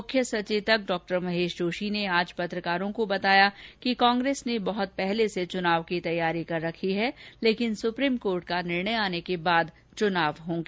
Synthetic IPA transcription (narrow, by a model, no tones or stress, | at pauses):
mʊkʰjəsɐt͡ʃiːʋt̪ək̚ɖɔːk̚ʈəɾmɐɦeːʃd͡ʒoːʃineaːd͡ʒpɐt̪ɾəkaːɾõkobɐt̪aːjakikãːŋɡɾeːsnebɐɦʊt̪̚pɛɦleset͡ʃʊnaːʋkit̪ɐjːaːɾikɐɾːɐkʰiɦɛleːkɪnsʊpɾiːmkoːɾʈ̚kanɪɾɳəjaːnekebaːd̪ | t͡ʃʊnaːʋɦõːŋɡeː